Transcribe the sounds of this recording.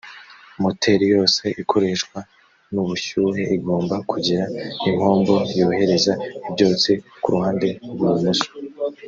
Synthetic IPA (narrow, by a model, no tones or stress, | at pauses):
motʰe̞ɾijo̞ːse̞ʔikʰo̞ɾe̞ʃkwa | nuβuʃuːɦe̞ʔiɡo̞ːmbakʰuɟiɾaiŋ̥ho̞ːmbo̞joːhe̞ɾe̞zaibɟo̞ːt͡sikuɾuhaːnde̞wumuʃo̥